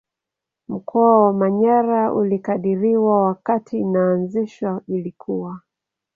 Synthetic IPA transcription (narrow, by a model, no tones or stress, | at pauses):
m̩kʰɔawamaɲaɾaṵlikaɗiɾiwawakatʰinaːnziʃwailikʰuwa